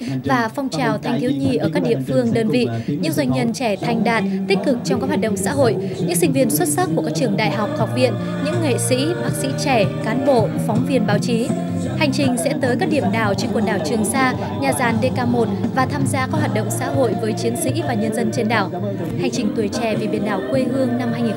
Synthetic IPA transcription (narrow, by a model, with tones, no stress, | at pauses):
vaː˨˩fɔ˧wŋ͡mt͡ɕaː˨˩wt̪ʰa˧jŋ̟t̪ʰi˨˦wɲi˨˩ʔəː˧˩kaː˦˥k̚ɗḭ˧˨əfɨ˧əŋɗəː˧nvḭ˧˨ɲɨ̰˧˥ŋzwa˧˩jŋ̟ɲə˧nt͡ɕɛ˧˩t̪ʰa˨˧˩jŋ̟ɗaː˨˩t̚t̪ï˦˥k̟̚kɨ˨˩k̚t͡ɕɔ˧wŋ͡mkaː˦˥k̚hwaː˨˩t̚ɗə̰˧˨ŋ͡msa̰ː˧˥ɦo̰˧˨j | ɲɨ̰˧˥ŋsï˧ŋ̟vi˧ənswə˦˥t̚sa˦˥p̚kːu˧˩əkaː˦˥k̚t͡ɕɨ˧˩əŋɗa̰ː˧˨jɦa˨˩wk͡p̚hɔ˨˩wk͡p̚ɓḭ˧˨ən | ɲɨ̰˧˥ŋŋḛ˧˨sḭ˧˥ɓaː˦˥k̚sḭ˧˥t͡ɕɛ˧˩kaː˨˦nɓo̰˧˨fɔ˨˦wŋ͡mvi˧ənɓaː˨˦wt͡ɕi˨˦ | ha˨˩jŋ̟t͡ɕï˨˩ŋ̟sɛ̰˧˥t̪əː˨˦jkaː˦˥k̚ɗi˧˩əmɗaː˨˩wt͡ɕe˧nkwə˨˩n̚ɗaː˧˨˩wt͡ɕɨ˨˩əŋsaː˧ | ɲaː˨˩zaː˨˩nɗe˧kaː˧mo˨˩t̚vaː˨˩t̪ʰaː˧mzaː˧kaː˦˥k̚hwaː˨˩t̚ɗə̰˧˨wŋ͡msa̰ː˧˥ɦo̰˧˨jvəː˨˦jt͡ɕi˨˦ənsḭ˧˥vaː˨˩ɲə˧nzə˧nt͡ɕe˧nɗaː˧˩w | ha˨˩jŋ̟t͡ɕï˨˩ŋ̟t̪u˧˩əjt͡ɕɛ˧˩vi˨˩ɓi˨˩ənɗaː˨˩wkwe˧ɦɨ˧əŋna˧mhaː˧jŋi˨˩